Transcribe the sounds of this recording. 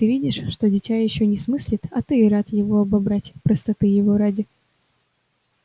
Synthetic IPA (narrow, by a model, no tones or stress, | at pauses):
t̪ɨvʲidʲɪʂːt̪odʲɪtʲajɪɕːonʲɪsmɨsʲlʲɪt̪ɐt̪ɨɾat̪jɪvoɐbɐbɾatʲpɾəst̪ɐt̪ɨjɪvoɾadʲɪ